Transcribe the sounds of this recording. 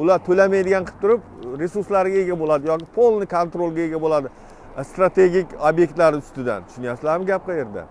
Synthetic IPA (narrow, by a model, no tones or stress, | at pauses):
ʊlaɾt̪ʰɵlamajd̪ɪɡʲanqʰɨ̥p̚t̪ʰʊɾɪpɾe̞suɾslaɾɪɡʲae̞ɡʲabolˠad̪ɪjɒkʲɪpʰolˠnɪkʰont̪ɾolˠɡʲaeɡʲabolˠad̪ɪ | st̪ɾat̪ʰe̞ɡʲikʲobje̞kʲt̪laɾɪʊst̪ɪd̪a̰nt̪ʰʊʃnijaslaɾmɪɡʲap̚qʰɑje̞ɾd̪a̰